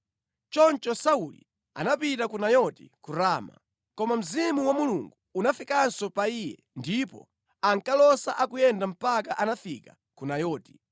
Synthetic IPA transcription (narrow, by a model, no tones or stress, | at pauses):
t͡ʃɔnt͡ʃɔsaulḭ | a̰napitakunajɔtḭkuɾaːma̰ | kɔmam̩zimuwamuluŋɡuːnafikansɔpaijɛ̰ | ndipɔ̰ | aŋkalɔsaʔakujɛndam̩pakaʔanafika | kunajɔːti̥